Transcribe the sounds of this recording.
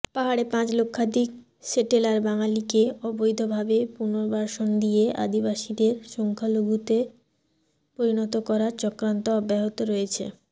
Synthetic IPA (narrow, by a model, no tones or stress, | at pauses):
paɦaɽepãt͡ɕlokʰːad̪ʱik | seʈelaɾbaŋalikeɔbojd̪ʱobʱabepuɾnoɾbaɾʃond̪ijeʔa̰d̪ibaʃid̪eɾʃɔŋkʰaloɡut̪e | poɾinɔt̪okɔɾaɾt͡ɕɔkɾant̪oɔbɛɦot̪oɾɔjet͡ɕʰḛ